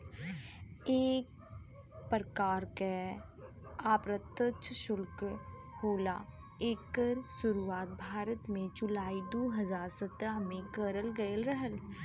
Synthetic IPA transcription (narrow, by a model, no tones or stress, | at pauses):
eːk̚ | pɾəkaːɾke | aːpɾət̪ːətʃʰʃʊlk | hoːla̰ | eːkːəɾsʊɾuaːt̪̚bʱaːɾət̪mẽd͡ʒʊlaːid̪oːɦəzaːɾsət̪ɾamẽɡəɾəlɡəəlɾəɦəl